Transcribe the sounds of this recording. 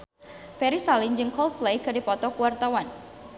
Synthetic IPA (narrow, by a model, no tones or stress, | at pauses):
fɛɾisalɪnd͡ʒɨŋkɔlt̪̚plejkɨdipɔt̪ɔkuwart̪awan